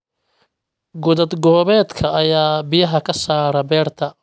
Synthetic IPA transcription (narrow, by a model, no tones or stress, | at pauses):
ɡʊðɐd̪ɡɔːβɛːd̪kʰɐʔɐjaːbɪjɐɦɐkʰɐsaːɾɐbɛːrt̪ʰɐ